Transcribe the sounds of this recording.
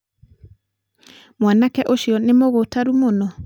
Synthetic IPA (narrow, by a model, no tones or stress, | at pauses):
mwanakɛʔoʃiɔnemoɣotaɾumonɔ